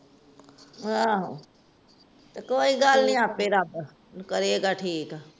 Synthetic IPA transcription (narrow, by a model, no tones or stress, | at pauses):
ɦaɦ | t̪ɐkoːiɡaːlnĩaːpeːɾaːp | kɐɾieɡaʈʰiːka